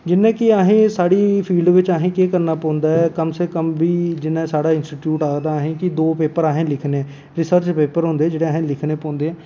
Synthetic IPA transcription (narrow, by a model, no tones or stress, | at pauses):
d͡ʒɪnːẽːkɪaːɦẽːsaːɽiːpʰiːlɖʋɪt͡ʃaːɦẽːkeːkəɾnaːpɔ̃ːnd̪aːɛːkəmseːkəmʋiːd͡ʒɪnːãːsaːɽaːɪnsʈiːʈjuːʈaːɡd̪aːɦẽːkɪd̪oːpeːpəɾaːɦẽːlɪkʰneː | ɾɪsəɾt͡ʃpeːpəɾɦʊ̃nd̪eːd͡ʒeːɽeːaːɦẽːlɪkʰneːpɔ̃ːnd̪eːɛ̃